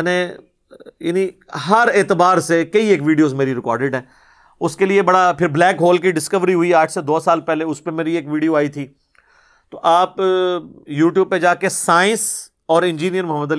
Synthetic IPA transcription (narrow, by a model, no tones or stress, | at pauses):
nẽ | jaːniɦɐɾeːt̪ɪbaːɾsekɐieːkʋiːɖijoːzmeːɾiɾɪkɔːɾɖɪɖɦɛ̃ː | ʊskeliebɐɽapʰɪɾblɛːkɦoːlkiɖɪskəʋɾiɦʊiaːʈʰsed̪oːsaːlpɛːleʊspemeːɾieːkʋiːɖioaːit̪ʰiː | t̪oʔaːp | juːʈjuːb̚ped͡ʒaːkesaːɪ̃ns | ɔːɾɪ̃nd͡ʒiːnijəɾmʊɦəmːəd̪əl